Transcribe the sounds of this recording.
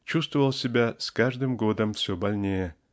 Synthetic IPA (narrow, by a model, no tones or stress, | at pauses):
t͡ɕust̪vəvəlˠsʲebʲæsʲkaʐd̪ɨmɡod̪ə̆mfsʲobalʲnʲej